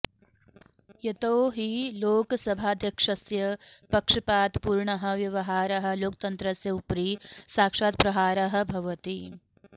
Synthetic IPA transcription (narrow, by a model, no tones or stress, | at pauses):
jɐt̪ɐːɦiloːkɐsɐbʱaːd̪ʱjɐkʂɐsjɐpɐkʂɐpaːt̪puːɾɳɐɦɐ̆ʋjɐʋɐɦaːɾɐɦɐ̆loːk̚t̪ɐnt̪ɾɐsjɐupɾisaːkʂaːt̪̚pɾɐɦaːɾɐɦɐ̆bʱɐʋɐt̪i